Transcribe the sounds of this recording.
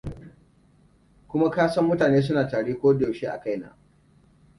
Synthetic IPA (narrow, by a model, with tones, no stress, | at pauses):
kʷʊ˦ma˦kaː˦sɐ˦mːʊ˦taː˨neː˦s̬ʊ˦naː˨taː˨ɽeː˦kʷoː˦do˨ʃeː˦ʔa̰˨ka˦jna̰ː˨